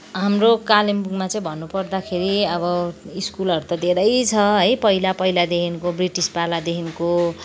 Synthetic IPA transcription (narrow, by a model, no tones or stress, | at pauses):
ɦamrokalimbuɡmat͡sʌ̃ĩbʱʌnːupʌrd̪akʰeɾiʌβʌiskulʌɾut̪ʌd̪ʱeɾʌjt͡sʰʌɦʌjpʌilapʌjlad̪ekʰinkobriʈispalad̪ekʰinko